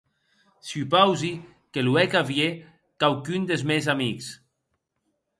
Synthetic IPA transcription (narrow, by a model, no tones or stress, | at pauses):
sypawzi | keluɛkavje | kawkynd̪ezmezamiks